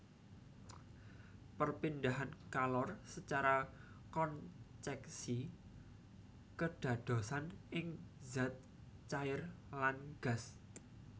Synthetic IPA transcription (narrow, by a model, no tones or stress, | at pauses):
pərpindaɦankalɔrsət͡ʃaɾa | kɔnt͡ʃɛksi | kəɖ̥ä̤d̪̥o̤sanʔɪŋzat̪̚ | t͡ʃaɪrlanɡ̥a̤s